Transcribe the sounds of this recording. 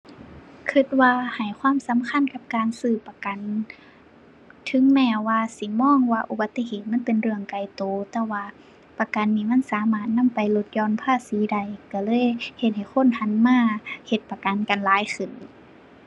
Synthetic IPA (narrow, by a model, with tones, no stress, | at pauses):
kʰɯ˧t̪̚waː˧ha˨˩jkʰwaː˧˥˨msa˨˦mkʰa˧˥˨nka˧˦p̚kaː˨nsɯː˧˩pa˧ka˨n | t̪ʰɯ˧˦ŋmɛː˧˩waː˧si˧˦mɔː˧˥˨ŋwaː˧ʔu˧ba˧˦t̪ːe˧heː˧˨˩t̪̚ma˧˥˨npe˨nɾɯ˧˩əŋka˧˨˩jt̪oː˨˦t̪ɛː˧˩waː˧ | pa˧ka˨nːiː˧˩ma˧˥˨nsaː˨˦maː˧˩t̪̚na˧˥˨mpa˨jlo˧t̪̚jɔː˧˨npʰaː˧˥˩siː˨˦da˧˩jka˧˩lɤː˧˥˨jhe˧t̪̚ha˨˩jxʰo˧˥˨nha˧˥˨nmaː˧˥˩he˧t̪̚pa˧ka˨nka˨nlaː˨˦jxʰɯ˨˩˨n